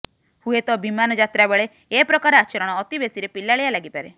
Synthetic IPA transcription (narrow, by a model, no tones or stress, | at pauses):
huet̪ɔbimanɔd͡ʒat̪ɾabeɭe | epɾɔkaɾɔat͡ʃɔɾɔɽ̃ɔːt̪ibesiɾepilaɭialaɡipaɾe